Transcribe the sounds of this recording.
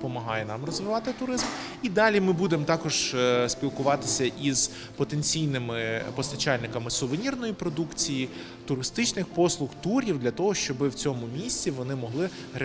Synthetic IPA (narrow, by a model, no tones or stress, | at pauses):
pɔmɐɦɑjɛnɑmrɔzʋɪʋɑt̪ɪt̪ʊɾɪzm | id̪ɑlʲimɪbud̪emt̪ɑkɔʒ̥sʲpʲilˠkʊʋɑt̪ɪsʲɐʔiz̥ | pɔt̪enʲt͡sʲijnɪmɪpɔst̪ɐt͡ʃɑlʲnɪkɐmɪsʊʋenʲirnɔjipɾɔd̪ukt͡sʲiji | t̪ʊɾɪst̪ɪt͡ʃnɪxpɔslˠʊxt̪uɾʲiwd̪lʲɐt̪ɔɦɔʃt͡ʃɔbɪwt͡sʲɔmʊmʲisʲt͡sʲiʋɔnɪmɔɦlˠɪ